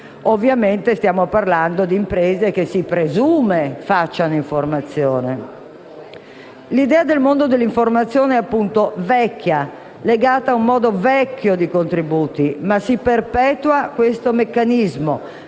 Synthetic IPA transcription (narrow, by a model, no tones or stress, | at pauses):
ovːjament̪est̪jaːmoparland̪od̪impɾeːzekesːipɾezuːmefat͡ʃːanoiɱformat̪sːjoːne | lid̪ɛːad̪elmond̪od̪elːiɱformat̪sːjoːneɛapːunt̪ovɛkːja | leɡaːt̪aːumːɔːd̪ovɛkːjod̪ikont̪ɾibuːt̪imasiperpɛːt̪wakwest̪omekːanizmo